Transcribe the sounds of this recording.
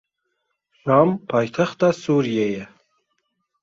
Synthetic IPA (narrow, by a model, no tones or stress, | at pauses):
ʃɑmpʰɑːjt̪ʰæxt̪̚ɑsuːɾijejɛ